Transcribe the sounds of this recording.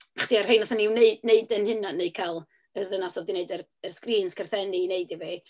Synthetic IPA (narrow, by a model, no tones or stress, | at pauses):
aχɔ̥siar̥hejnɔθaniwneɨdneɨdənhɨnanːeɨ̥kʰalˠ | ərðənasɔdineɨdər | ərskriːnskʰərθɛnineɨdivi